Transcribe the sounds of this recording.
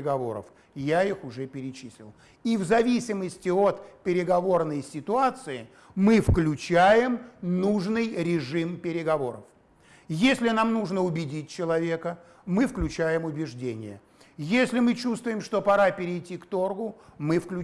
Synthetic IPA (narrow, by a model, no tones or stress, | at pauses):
ɪɡɐvo̞̰ɾə̰f | jaixʊʐɛpʲɪɾʲɪt͡ɕisʲlʲɪ̰lˠ | ivzɐvʲisʲɪməsʲtʲɪot̪pʲɪɾʲɪɡɐvo̞rnəjsʲɪt̪ʊat̪sɨɪ | mɨfklʲʉt͡ɕæjɪmnuʐnɨjɾʲɪʐɨmpʲɪɾʲɪɡɐvo̞ɾəf | jesʲlʲɪnamnuʐnəʊbʲɪdʲit̚ʲt͡ɕːɪlˠɐvʲe̞kə | mɨfklʲʉt͡ɕæjɪmʊbʲɪʐdʲenʲɪ̰jə̰ | jesʲlʲɪmɨt͡ɕust̪vʊjɪmʂt̪o̞pɐɾapʲɪɾʲɪjtʲikt̪o̞rɡʊmɨfklʲʉ